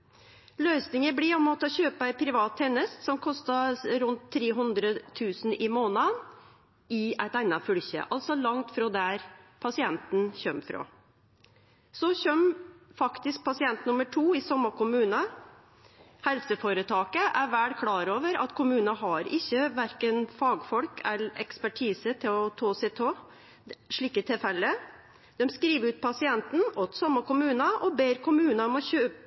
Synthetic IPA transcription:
lœʏsnɪŋəbliːɔmɔt̪əɔçøːpəæɪpʰɾɪʋɑːt̪ʰːɛnːəst̪sɔmkʰɔst̪ɑɾʉnt̪ʰːɾeːɦʉnd̪ɾət̪ʰʉːsn̩ɪmoːnɑn | ɪæɪt̪æɪnɑfʉlçə̰ʔɑlt̪sɔlɑŋt̪fɾoːd̪æɾpʰɑsɪɛnt̪n̩çœmfɾo̰ː | sɔçœmfɑkt̪ɪsk̚pʰɑsɪɛnt̪nʊməʈʰuːɪsɔmːəkʊmʉːnə | hɛlsəfoːɾət̪ʰɑːkəʔæɾʋæːɽkʰlɑːɾoːʋəɾɑ̰t̪kʰʊmʉːnɑɦɑɾɪçːəʋæɾkənfɑːɡfɔlkʰɛ̰lɛ̰kspæʈʰiːsət̪ʰɪlɔt̪ʰoːsɛt̪ʰoː | ʂɭiːkət̪ʰɪfɛlːə | d̪̥ɛmskɾiːʋʉːt̪̚pʰɑsɪɛnt̪n̩ɔt̪sɔmːɑkʊmʉːnɑʔɔbeːɾkʊmʉːnɑɔmɔçøːp

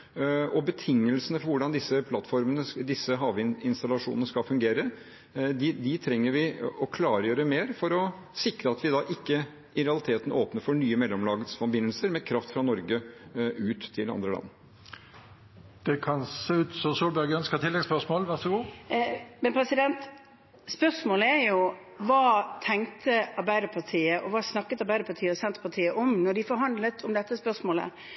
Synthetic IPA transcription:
ɔbət̪ʰɪŋːəlsənəfɔɾʋʊɖɑnd̪ɪsːəpʰlɑt̪ːfɔɾmənəd̪ɪsːəɦɑːʋɪɪnst̪ɑlɑʂuːnənəskɑfʉŋɡeːɾə | d̪ɪd̪ɪt̪ʰɾɛŋːəɾʋɪɔkʰlɑːɾəjøːɾəmeːɾfɔɾɔ | sɪkɾəɑt̪ʋɪd̪ɑːʔɪkːə | ɪɾɛɑlɪt̪ʰeːt̪ən̩ʔoːpnəɾfɔɳyːəmɛlːɔmlɑːɡət̪sfɔmbɪnːəlsəɾmɛkʰɾɑft̪fɾɑnɔɾɡəʉːt̪ʰːɪlɑ̰nd̪ɾəlɑ̰nː | d̪̥ɛkʰɑnseːʉːt̪sɔsuːlbæɡœnskət̪ʰɪlːɛɡspœʂmoːlʋæɾʂəɡuː | mɛnpʰɾɛsɪd̪ɛnt̪ | spœʂmoːləæɾjʊ | ʋɑːt̪ʰɛŋt̪ʰəɑɾbæɪd̪əpʰɑt̪ʰiːəʔɔʋɑːsnɑkːət̪ɑɾbæɪd̪əpʰɑt̪ʰiːəɔsɛnt̪pʰɑt̪ʰiːəʔɔmnɔɖɪfɔɾɦɑnd̪lət̪ʰɔmd̪ɛt̪ːəspœʂmoːlə̰

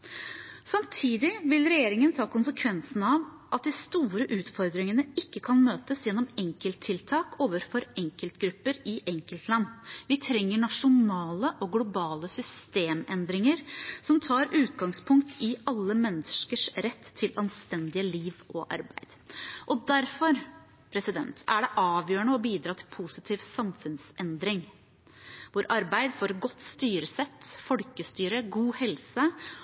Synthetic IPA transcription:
sɑmt̪ʰiːd̪ɪʋɪlɾɛjeːɾɪŋənt̪ʰɑːkʊnsəkʰʋɛnsn̩ɑʋ | ʔɑt̪̚d̪ɪst̪uːɾəʔʉːt̪fɔɾd̪ɾɪŋənəɪkːəkʰɑnmøːt̪əsjɛnːɔmɛŋkəlt̪ʰːɪlt̪ʰɑːkoːʋəɾfɔɾɛŋkəlt̪ɡɾʉpːəɾɪʔɛŋkəlt̪lɑnːʋɪt̪ʰɾɛŋːəɳɑʂʊnɑːləʔɔɡlʊbɑːləsʏst̪eːmɛnd̪ɾɪŋəɾsɔmt̪ʰɑːɾʉːt̪ɡɑŋspʰʊŋkt̪ʰɪɑlːəmɛnːəʂkəʂɾɛt̪ʰːɪlɑnst̪ɛnd̪ɪəliːʋɔ̰ʔɑ̰ɾbæ̰ɪd̪̥ʔɔd̪æɾfɔɾ | pʰɾɛsɪd̪ɛ̰nt̪æɖɛʔɑːʋjøːɳəɔbiːd̪ɾɑːt̪ʰɪ̥lpʰusɪt̪ʰiːʋsɑmfʉnsɛnd̪ɾɪŋ | ʋʊɾʔɑɾbæɪd̪fɔːɾɡɔt̪ːst̪yːɾəsɛt̪ːfɔlkəst̪yːɾəɡuːhɛlsə

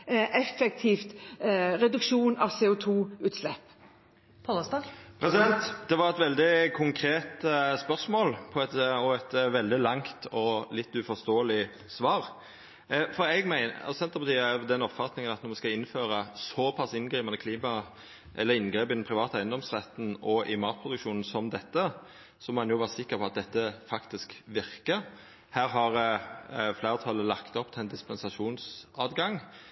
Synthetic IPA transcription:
ʔɛfːɛk̚t̪ʰiːft̪ɾɛd̪ʉkʃuːnɑʋseːʊt̪ʰuːʉːt̪slɛpː | pʰɔəst̪ɑpʰɾɛsɪd̪ɛnt̪d̪̥ɛʋɑɾɛt̪ʋɛld̪ɪkʰʊŋkʰɾeːt̪spœʁsmoːlpʰɔɛt̪ɔɛt̪ʋɛld̪ɪlɑŋt̪ʰɔlɪt̪ːʉfɔst̪oːəlɪ | sʋɑːɾ | fɔɾɛɡmæɪnɑ̰sɔsɛnt̪əʁpɑt̪iːɑd̪ɛnɔpfɑt̪nɪŋənɑt̪nɔʁʋɛskɑɪnføːɾəsɔpʰɑsɪnɡɾiːmɑnəkʰliːmɑ | ʔɛlːəɾɪnɡɾeːpɪnn̩pʰɾɪʋɑːt̪əæɪənd̪ɔmsʁɛt̪n̩ɔʔɪmɑːt̪̚pʰɾʊd̪ʉkʃuːnn̩sɔmd̪ɛt̪ːə | sɔmɔːhɑnjʊʋɑːʁəsɪkːəɾpʰɔɑt̪̚d̪ɛt̪ːəfɑkt̪ɪskʋɪʁkəɾ | hæːɾɦɑʁ | flæɪɾət̪ʰɑlːəlɑkt̪ɔpt̪ʰɪɛnd̪ɪspɛnsɑʂuːnsɑːd̪ɡɑŋ

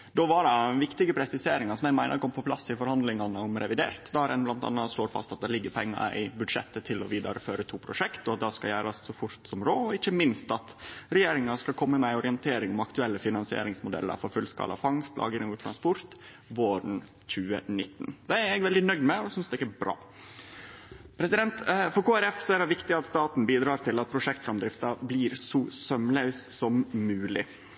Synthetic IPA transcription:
d̪ɔʋɑɖɛʋɪkt̪ɪɡəpʰɾɛsɪseːɾɪŋɑsɔmɛɡmæɪnʔə̰ɾkʰɔmpʰɔpʰlɑsːɪfɔɾhɑnd̪lɪŋɑnəɔmɾɛʋɪd̪ḛːɾt̪d̪ɑɾɛnblɑnt̪ɑ̰nːɑʂloːɾfɑ̰st̪ɑt̪̚d̪ɛlɪɡːəpʰɛŋːɑ̰ɾɪ̰bʉd̪ʂɛ̰t̪ːət̪ʰɪlɔʋiːd̪ɑɾəføːɾət̪ʰuːpʰɾʊʂɛkt̪ɔɑt̪̚d̪ɑskɑjæːɾɑssɔfʊɾt̪sɔmɾoːɔɪçːəmɪnst̪ɑt̪ɾɛjeːɾɪŋɑskɑlkʰɔmːəmɛɪɔɾɪənt̪ʰeːɾɪŋɔmɑkt̪ʉɛlːəfɪnɑnsɪḛːɾɪŋsmʊd̪ɛ̰lːə̰ɾfɔɾfʉlskɑ̰ːlʔɑ̰fɑŋst̪lʔɑ̰ːɡɪŋɔt̪ʰɾɑnspɔɾt̪ | ʋoːɾn̩ | c͡çʉːə̰nɪt̪ːnd̪ɛæɾɛɡʋɛld̪ɪnœɡd̪mɛsʏnsd̪ɛɪkːɛbɾɑ̰ː | pʰɾɛsɪd̪ɛnt̪fɔɾkʰuːæɾɛfsɔæɾɛʋɪkt̪ɪɑt̪st̪ɑːt̪n̩biːd̪ɾɑːɾt̪ʰɪlɑt̪̚pʰɾʊʂɛkt̪fɾɑmd̪ɾɪft̪ɑbliːɾsɔsœmləʉssɔmmʉːlɪ̰

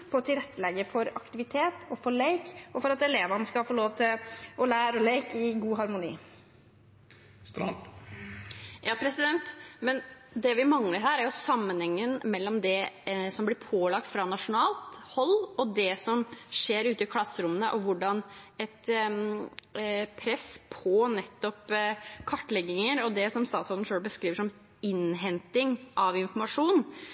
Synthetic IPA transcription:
pʰɔɔt̪ʰɪlɾɛt̪ːəlɛɡːəfɔɾɑkt̪ɪʋɪt̪ʰeːt̪ɔfɔɭeɪkɔfɔɾɑt̪ɛleːʋɑnəskɑlfoːloːʋt̪ʰɪlɔlæːɾɔleɪkɪɡuːɦɑɾmʊnḭː | jɑːpʰɾɛsɪd̪ɛnt̪mɛnd̪ɛʋɪmɑŋləɾhæːɾæɾjʊsɑmːənhɛŋːənmɛlːɔmd̪ɛsɔmblɪɾpʰoːlɑk̚t̪fɾɑnɑʂʊnɑːlt̪hɔlːɔd̪ɛsɔmʂeːɾʉːt̪əɪkʰlɑsːəɾʊmːənəʔɔʋʊɖɑnɛt̪ | pʰɾɛspʰɔnɛt̪ːɔpkʰɑʈːlɛɡːɪŋəɾɔd̪ɛsɔmst̪ɑːt̪sɔln̩ʂøːlbəskɾiːʋəʂɔm | ɪnɦɛnt̪ɪŋʔɑʋɪnfɔɾmɑʂuːn

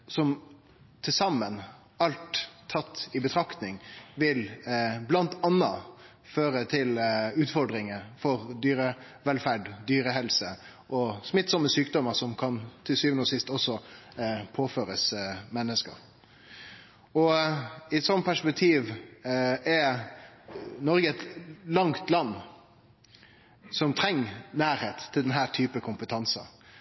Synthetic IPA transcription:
sɔm | t̪ʰɪlsɑmːən | ɑlt̪ʰːɑt̪ːɪbət̪ʰɾɑkt̪nɪŋʋɪlblɑnt̪ɑnːɑ | føːɾət̪ʰɪlʉːt̪fɔɾɖɾɪŋəfɔɾd̪yːɾə | ʋɛlfæɖd̪yːɾəɦɛlsə | ʔɔsmɪt̪ːsɔməsyːk̚d̪ɔməɾsɔmkʰɑnt̪ʰɪsyːʋənoːsɪst̪ɔsɔ | pʰoːføːɾəsmɛnːəskə̰ɾ | ɔɪɛt̪sɔnpʰæʂpɛk̚t̪ʰiːʋ | ɛ | nɔɾɡəɛt̪lɑŋt̪lɑnː | sɔmt̪ʰɾɛŋːnæːɾheːt̪ʰːɪld̪ɛnɦæːʈ̪ʰyːpəkʰʊmpət̪ʰɑnsɑ̰

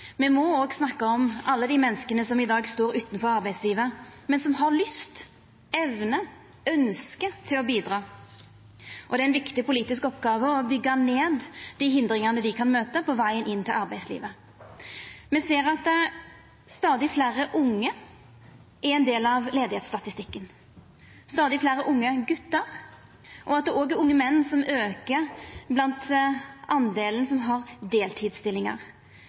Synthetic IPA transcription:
mɛmɔoːɡsnɑkːəɔmʔɑlːəd̪iːmɛnːəskənəsɔmɪd̪ɑːɡst̪oːɾʉːt̪ənfɔɾɑɾbæɪsliːʋəmɛnsɔmɦɑɾlʏst̪ | ɛʋnə | œnskət̪ʰɪlɔbiːd̪ɾɑː | ʔɔd̪ɛæɪnʋɪkt̪ɪpʊliːt̪ɪskɔpɡɑːʋəɔbʏɡːɑneːd̪d̪iɦɪnd̪ɾɪŋɑnəd̪ɪkʰɑnmøːt̪əpʰɔʋæɪənɪnt̪ʰɪlɑʁbæɪslḭːʋə | mɛseːɾɑt̪̚d̪ɛ | st̪ɑːd̪ɪflæːɾəʔʊŋːə | ʔæɾɛɪnd̪eːlɑʋleːd̪ɪheːt̪st̪ɑt̪ɪst̪ɪkːən | st̪ɑːd̪ɪflæːɾəʔʊŋːəɡʉt̪ːəʁ | ʔɔɑt̪̚d̪ɛɾoːɡɛɾʊŋːəmɛnːsɔmøːkəɾblɑnt̪ʔɑnd̪eːlən̩sɔmɦɑʁd̪eːlt̪ʰiːd̪st̪ɪlɪŋɑ̰ʁ

